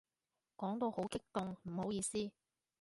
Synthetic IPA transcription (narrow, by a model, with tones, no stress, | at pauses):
kɔː˨˥ŋt̪o˧who˨˥wkɪ˥k̚t̪ʊ˨ŋm̩˨˩ho˨˥wjiː˧siː˥